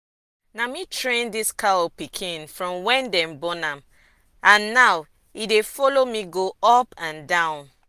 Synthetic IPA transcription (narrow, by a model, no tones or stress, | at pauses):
namitɹẽndiskaɔpikʰĩnfɹɔ̃mwɛ̃ndɛ̃mbɔnãm | ãnːaw | idefɔlomiɡoɔpãndãʊ̃n